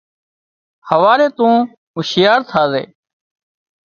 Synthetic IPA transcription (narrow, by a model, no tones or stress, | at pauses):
həʋaːɾeːt̪ũː | ɦʊʃjaːɾt̪ʰaːzḛː